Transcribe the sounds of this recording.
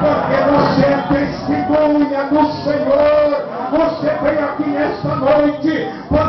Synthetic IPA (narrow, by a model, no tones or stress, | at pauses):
poɾkevoset̪est̪imuɲɐnʊseɲoɾ | voset̪ẽj̃akinɛst̪ɐnojt͡ʃɪ | poɾ